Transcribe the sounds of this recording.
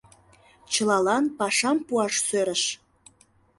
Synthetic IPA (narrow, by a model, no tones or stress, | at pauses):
t͡ɕəlɑlɑnpɑʃɑmpuɑʃsøɾəʃ